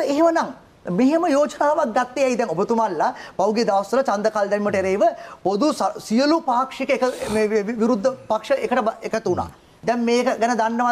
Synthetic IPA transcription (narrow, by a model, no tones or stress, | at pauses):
eɦemənaŋ | meɦeməjoːd͡ʒənaːʋak̚ɡat̪ːejaid̪ɛŋobət̪umalːapawɡied̪aːʋɐst̪əlat͡ʃand̪əkaːld̪ɛniməʈəeɾeːʋəpod̪ussijəlupaːkʂikəekəmeːʋiɾud̪ʱːəpakʂəʔekəʈəekət̪una̰ː | d̪ɛmmeːkəɡænəd̪anːəʋa